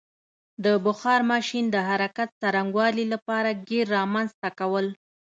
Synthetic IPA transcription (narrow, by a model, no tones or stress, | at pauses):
d̪əbʊxɑɾmɑʃind̪əɦaɾakat̪̚saɾaŋɡwɑlilapɑɾaɡeɾːɑmanzt̪akawəl